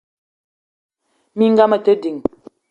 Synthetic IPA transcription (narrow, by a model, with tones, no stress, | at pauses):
mi˦ŋ̩˦ɡa˦mə˨tə˦di˨ŋ